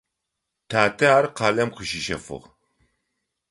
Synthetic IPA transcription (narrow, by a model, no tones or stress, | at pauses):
tʰaːtʰɐaːrqɑːlɐmqəʃiʃɐ̰fɨ̰ʁ